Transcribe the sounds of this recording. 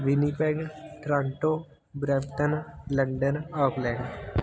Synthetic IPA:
ʋɪnipɛːɡʈɾãːɳʈoː | bɾɛmʈənləɳɖənaːklɛːɳɖ

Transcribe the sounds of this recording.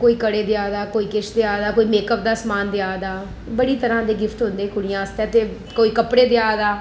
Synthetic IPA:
koːiːkəɽeːd̪ɪaːd̪aːkoːiːkɪʃʰd̪eaːd̪aːkoːiːmeːkəp̚d̪aːsmaːnd̪ɪaːd̪aː | bəɽiːt̪əɾãːd̪eːɡɪft̪ɦʊ̃nd̪eːkʊɽɪjãːəst̪eɛ̃ːt̪eː | koːiːkəpɽeːd̪eaːd̪aː

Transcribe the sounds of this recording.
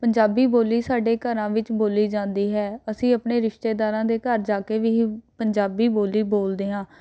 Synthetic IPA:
pəɲd͡ʒaːbiːboːliːsaːɖeːkəɾãːʋɪt͡ʃboːliːd͡ʒãːnd̪iːɦɛːəsĩːəpɳeːɾɪʃt̪eːd̪aːɾãːd̪eːkəɾd͡ʒaːkeːʋiːpəɲd͡ʒaːbiːboːliːboːld̪eːɦãː

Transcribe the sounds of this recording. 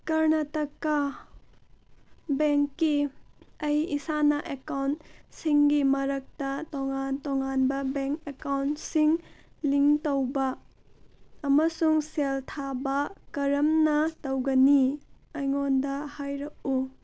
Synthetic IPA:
kɐɾnɐtɐkːɐ | beŋkːiɐjisanɐʔekawntsiŋɡimɐɾɐk̚tɐtoŋantɔŋanbɐbeŋkekawntsiŋ | liŋtowbɐ | mɐsuŋseltʰabɐkɐɾɐmnɐtowɡɐni | ɐjŋondɐhajɾɐk̚u

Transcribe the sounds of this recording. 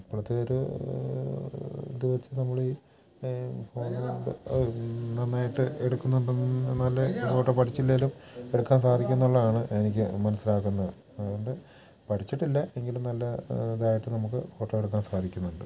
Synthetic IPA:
ipːɐɭɐt̪ːeoɾu | d̪iʋɐt͡ɕːɨnɐmːuɭi | fo̞ːn | nɐnːaːjiʈːɨeɽukːunːuɳɖɨnɐlːɐkoːʈːopɐʈʰit͡ɕːilːelume̞ɽukːaːnsaːd̪ʱikʲːunːuɭːɐðaːɳɨe̞nikʲːɨmɐnɐsːilaːkːunːɐðɨ | ɐðuɣo̞ɳɖɨ | pɐʈʰit͡ɕːiʈːilːɐe̞ŋɡilumnɐlːɐðaːjiʈːɨnɐmukːɨfo̞ːʈːoeɽuk̬ːaːnsaːd̪ʱikʲːunːuɳɖɨ

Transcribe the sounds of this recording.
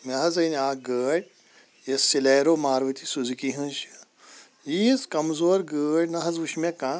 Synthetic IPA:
mʲɐɦɐzɐjnʲaːɡəːɽʲ | jɐsːileːɾoːmaːɾʋɐt̪isuzkiɦɐ̃nʃ | jiskɐmzoːɾɡəːɽʲnɐɦɐzʋuʃmʲekã

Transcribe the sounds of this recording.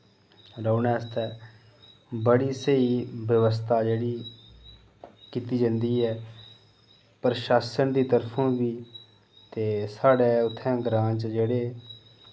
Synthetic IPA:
ɾəunɛːst̪ɛː | bəɽiːsəiːbjəʋəs̬t̪ʰaːd͡ʒeːɽiː | kiːt̪iːd͡ʒãnd̪iːɦɛː | pəɾʃaːsənd̪iːt̪əɾpʰõːbiː | t̪eːsaːɖeːʊt̪ʰːɛ̃ːɡɾãːt͡ʃd͡ʒeːɽeː

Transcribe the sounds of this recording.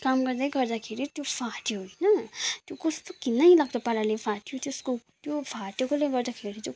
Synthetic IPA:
kamɡʌɾd̪ʌjɡʌɾd̪akʰeɾit̪jofʰaʈioɦojnʌt̪jokʌst̪okinajlaɡd̪ʌpaɾalepʰaʈiot̪eskot̪jopaʈjokoleɡʌɾd̪akʰeɾit̪jo

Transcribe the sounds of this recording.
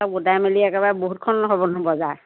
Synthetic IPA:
aɡudajmeliɛkɛbaɹɛboɦut̚kʰɔnɦɔbɔnɔbɔzaj

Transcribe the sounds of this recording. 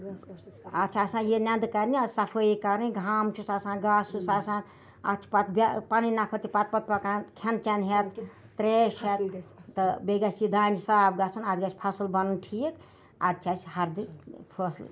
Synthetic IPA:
ɐt͡ʃʰasãnjenãnd̪kɐɾnisapʰəjikɐɾiɡʱaːmt͡ʃʰusasãnɡast͡ʃʰusasãn | ɐ̰t͡ʃʰi̥pat̪bʲpaninapʰəɾt̪ʰipat̪̚pɐt̪̚pɐkankʰent͡ʃanɦet̪ː | ɾet͡ʃʰet̪t̪ɨbeɡasid̪and͡ʒsab̚ɡasʰunad̪ɡasʲpʰɐsəlbɐnunʈʰik | a̰d̪̚t͡ʃʰat͡ʃhɐɾd̪ipʰosl

